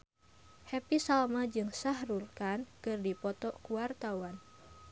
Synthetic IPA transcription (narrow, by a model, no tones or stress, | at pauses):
hɛpisalmad͡ʒɨŋsahrulkankɨrdipɔt̪ɔkuwart̪awan